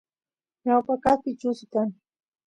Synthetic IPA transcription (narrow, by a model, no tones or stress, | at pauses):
ɲawpakaχpɪt͡ʃʊsk̪aŋ